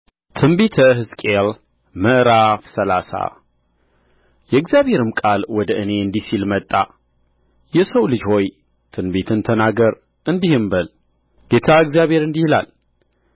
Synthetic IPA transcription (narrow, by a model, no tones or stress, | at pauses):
t̪ʰɨnbet̪ʰəɦɨzkʼel | məʔɾafsəlasa̰ | jɛɨɡzjaβhe̞ɾɨmkʼalwɔd̪əʔɨne̞ɨnd̪isilmət̪ʼːa | jɛsəwlɨd͡ʒho̞j | t̪ʰɨnbet̪ʰɨnt̪ʰənaɡəɾ | ʔɨnd̪ihɨmbəl | ɡ̥e̞t̪ʰaɨɡzijaβhe̞ɾɨnd̪ihila̰l